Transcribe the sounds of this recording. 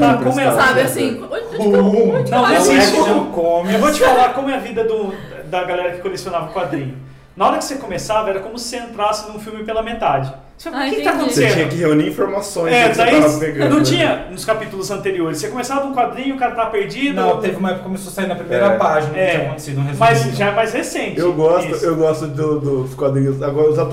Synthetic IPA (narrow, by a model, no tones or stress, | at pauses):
t̪akõmɛsabɪasĩouɐ̃w̃ẽsĩkõmewvot͡ʃɪfalaɾkõmʊɛɐvid̪ɐd̪ʊ | d̪ɐɡalɛɾɐkɪ̥kolesionavɐʊkwad̪ɾĩɲʊ | nɐɔɾɐkɪ̥sekomesavɐɛɾɐkõmʊsɪ̥seẽnt̪ɾasɪnũfiwmɪpelɐmẽt̪ad͡ʒɪ | sfaekt̪akõt̪eseẽĩɲɐkɪheuniɾĩfoɾmasõj̃ɛd̪aiavɐ̃peɡɐ̃nɐ̃w̪̃t͡ʃĩɲɐnʊskapit̪ʊlʊzɐ̃nt̪eɾioɾɪssekõmesavɐũkwad̪ɾĩɲʊːkaɾɐt̪avɐpeɾd͡ʒid̪ɐ̃t̪evɪũmɐɛpʊkɐkomesosaiɾnɐpɾimejɾɐpaʒinɐkɛt͡ʃĩɐkõt̪e̥sid̪ʊ̃ɦezmɐjzʒaɛmajzhesẽnt͡ʃɪewɡɔsiʊewɡɔst̪ʊd̪ʊd̪ʊskwad̪ɾĩɲʊzaɡɔɾɐʊzat̪